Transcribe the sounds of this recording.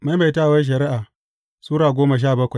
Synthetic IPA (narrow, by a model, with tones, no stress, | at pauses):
ma˦jma˨jta˦˨wɐ˦ʃ̬ɐ˨ɾi˦ʔaː˨ | suː˦ɾaː˨ɡʷoː˦ma˨ʃ̬aː˦˨bɐ˦kʷa˨